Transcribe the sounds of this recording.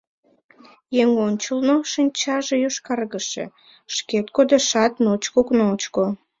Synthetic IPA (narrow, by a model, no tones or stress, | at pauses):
jeŋonʲt͡ɕəlnoʃinʲt͡ɕɑʒejoʃkɑrɣəʃḛ | ʃket̪̚kod̪eʃɑt̪not͡ɕkoknoot͡ɕko